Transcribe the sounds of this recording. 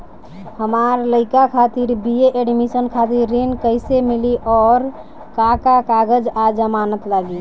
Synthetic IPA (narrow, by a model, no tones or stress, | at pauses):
həmaɾləɪkakʰat̪iɾbieʔeɖmisənkʰat̪iɾːenkəɪsemiliʔɔːɾ | kakakaɡəd͡ʒad͡ʒəmanət̪laɡi